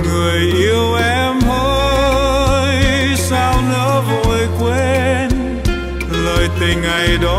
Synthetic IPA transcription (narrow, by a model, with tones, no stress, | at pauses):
ŋɨ˨˩əjʔi˧əwʔɛ˧mhəː˧˦ | jsaː˧wnəː˧˦˥vo˧˨jkwe˧n | ləː˨˩jt̪i˨˩ŋa˨˩jɗɔ˨˦